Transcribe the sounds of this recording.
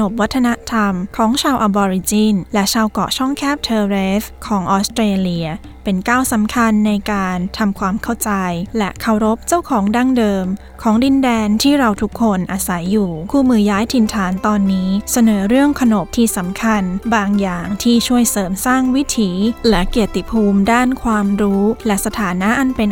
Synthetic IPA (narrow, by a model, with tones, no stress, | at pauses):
no˨˩p̚wa˦˥t̪ʰːa˧na˦˥t̪ʰa˧mkʰɔː˩˦ŋt͡ɕʰaː˧wʔa˧bɔː˧ɾi˧t͡ɕiː˥˩nlɛ˦˥t͡ɕʰaː˧wkɔ̰˨˩t͡ɕʰɔ˥˩ŋkʰɛː˥˩p̚t̪ʰɤː˧ɾeː˦˥fkʰɔː˩˦ŋʔɔː˦˥st̪ɾeː˧li˧ɐ | pe˧nkaː˥˩wsa˩˦mkʰa˧nːa˧jkaː˧nt̪ʰa˧mkʰwaː˧mkʰa˥˩wt͡ɕa˧jlɛ˦˥kʰa˨˩wɾo˦˥p̚t͡ɕa˥˩wkʰɔː˩˦ŋda˥˩ŋdɤː˧m | kʰɔː˩˦ŋdi˧ndɛː˧nt̪ʰiː˥˩ɾa˧wt̪ʰu˦˥kʰːo˧nʔa˧sa˩˦jːuː˨˩kʰuː˥˩mɯː˧jaː˦˥jt̪ʰi˧nt̪ʰaː˩˦nt̪ɔː˧nːiː˦˥sa˧nɤː˩˦ɾɯ˥˩əŋkʰa˧no˨˩p̚t̪ʰiː˥˩sa˨˩˦mkʰa˧nbaː˧ŋjaː˨˩ŋt̪ʰiː˥˩t͡ɕʰu˥˩əjsɤː˩˦msaː˥˩ŋwi˦˥t̪ʰiː˩˦lɛ˦˥ki˨˩ət̪ːi˨˩pʰuː˧mdaː˥˩nkʰwaː˧mɾuː˦˥lɛ˦˥sa˧t̪ʰaː˩˦na˦˥ʔa˧npe˧n